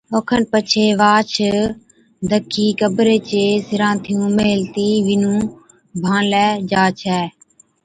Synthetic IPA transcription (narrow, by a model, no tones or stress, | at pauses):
oːkʰənpət͡ʃʰeːʋaːt͡ʃʰ | d̪ʱəkʰːiːkəbɾeːt͡ʃeːsɪɾãːnt̪ʰɪjũːmeɦɪlt̪iːʋɪnũː | bʱãːnlɛːd͡ʒaːt͡ʃʰɛː